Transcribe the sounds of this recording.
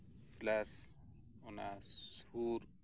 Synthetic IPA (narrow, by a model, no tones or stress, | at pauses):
plas | ɔnasuɾ